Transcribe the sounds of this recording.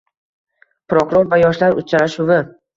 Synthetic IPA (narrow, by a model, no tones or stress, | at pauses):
pɾokʰʊɾoɾvajɒʃlaɾʊ̰t͡ʃʰaɾaʃʊvɪ